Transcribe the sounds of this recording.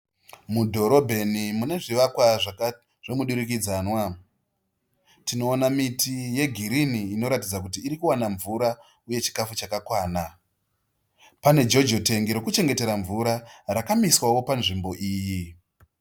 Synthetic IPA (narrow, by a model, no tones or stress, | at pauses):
mudʱo̞ɾo̞bʱe̞nimune̞ʐiʋakwaʐ | ʐ̥e̞muɗuɾik̬id͡zanwa | tino̞ːnamitije̞ɡʱiɾiniːno̞ɾatid͡zakutiːɾikuwanaɱvuɾa | uje̞t͡ʃi̥kafut͡ʃakakwaːna | pane̞d͡ʒo̞d͡ʒote̞ŋɡiɾo̞kut͡ʃe̞ŋɡe̞te̞ɾaɱvuɾaɾakamiswawo̞panʐimbo̞ʔiːji